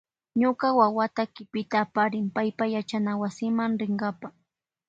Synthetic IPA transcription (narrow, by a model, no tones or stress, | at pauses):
ɲʊkawawat̪akɪpɪt̪aːpaɾɪmpajpajat͡ʃanawasɪmaŋɾɪŋɢapa